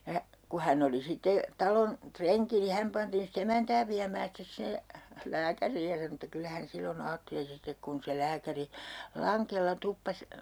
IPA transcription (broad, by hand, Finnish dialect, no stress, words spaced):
jɑ ku hænː oli sitːe tɑlon treŋki ni hæm pɑntiːn sit emæntæː ʋiæmæː stes sinːe læːkæriːj jɑ sɑno etːæ kylːæ hæn silːon ɑːtːeli sitek kun se læːkæri lɑŋkelːɑ tupːɑs